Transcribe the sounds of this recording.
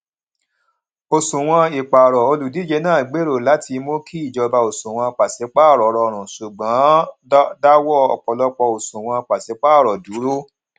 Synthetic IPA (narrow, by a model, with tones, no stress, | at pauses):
o˨sũ˨w̃ɔ̃˧i˨k͡pa˨ɾɔ˨o˧lu˨di˨˦d͡ʒe˧nãː˦˨ɡ͡be˨˦ɾo˦˨la˨˦tʰi˧mo˦kʰi˦i˦˨d͡ʒɔ˧ba˧o˨sũ˨w̃ɔ̃˧k͡pa˨se˨˦k͡pa˦˨ɾɔ˨˦ɾɔ˧˨ɾ̃ũ˨su˨ɡ͡bã˨˦da˦wɔ˦ɔ̰˨k͡pɔ˧lɔ˦k͡pɔ˧o˨sũ˨w̃ɔ̃˧k͡pa˨se˨˦k͡pa˦˨ɾɔ˨du˨˦ɾo˦